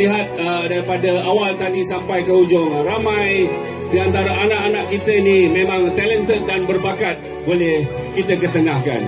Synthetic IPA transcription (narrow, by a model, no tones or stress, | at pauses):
liɦat̪̚ədaɾipadəawalt̪adisampajkəɦud͡ʒɔŋramãj | diant̪aɾaanaʔanaʔkit̪ənimemãŋt̪ɛlənt̪ət̪̚danbərbakat̪̚ | bolɛh | kit̪əkət̪əŋahka̰n